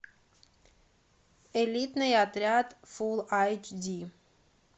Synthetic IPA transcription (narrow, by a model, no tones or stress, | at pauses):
elʲit̪nəjat̪ɾʲat̪fulˠajt͡ʃdi